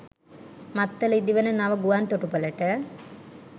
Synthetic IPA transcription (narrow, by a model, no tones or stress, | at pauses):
mat̪ːəlid̪iʋənənaʋəɡuʋant̪oʈupələʈə